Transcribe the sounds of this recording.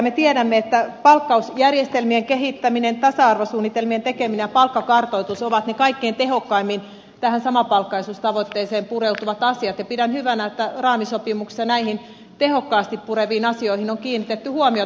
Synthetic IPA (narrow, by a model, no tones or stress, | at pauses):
met̪ieɾæmːeet̪ːæpɑlkːɑusjærjest̪elmieŋkehit̪ːæminent̪ɑsɑɑrʋosuːnːit̪elmient̪ekeminejɑpɑlkːɑkɑrt̪oit̪usoʋɑt̪nekɑikːeint̪ehokːɑimːin | t̪æhænsɑmɑpɑlkːɑisust̪ɑʋot̪ːeːseːmpureut̪uʋɑt̪ɑsiɑt̪jɑpidænhyʋænæet̪ːærɑːmisopimuksi̥sɑnæihin | t̪ehokːɑːst̪ippureʋiːnɑsioihinoŋkiːnːit̪et̪ːyhuomio